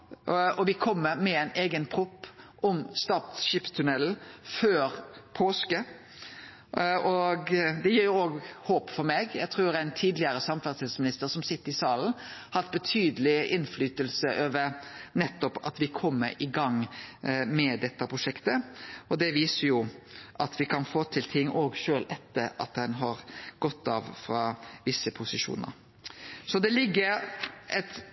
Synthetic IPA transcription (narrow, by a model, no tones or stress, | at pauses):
ɔʋɪkʰɔmːəɾmɛɛɪneːɡənpʰɾʊpːʔɔmst̪ɑt̪sʃiːpt̪ʰʉnɛl̩føːɾpʰoːskə | ɔɡd̪ɛjiːɾjʊoːɡhoːpfɔɾmeːɡjæ̰ɡt̪ʰɾʉːɾæɪnt̪ʰiːd̪lɪəɾəsɑmfæɾt̪sɛlsmɪnɪst̪əɾsɔmsɪt̪ːəɾɪsɑːln̩hɑt̪̚bət̪ʰyːd̪əlɪɪnflyːt̪əlsəʔøːʋəɾnɛt̪ːɔpɑ̰t̪ʋɪkʰɔmːəɾʔɪɡɑŋ | mɛd̪ɛt̪ːɑpʰɾʊʂɛkt̪əɔd̪ɛʋiːsəɾjʊʔɑt̪ʋɪkʰɑnfoːt̪ʰɪlt̪ʰɪŋːoːɡʃøːlʔɛt̪ːəɾɑ̰t̪dɛnɦɑɾɡ̥ɔt̪ːɑʋfɾɑːʋɪsːəpʰʊsɪʂṵːnə̰ɾ | sɔd̪ɛlɪɡːəɾʔɛt̪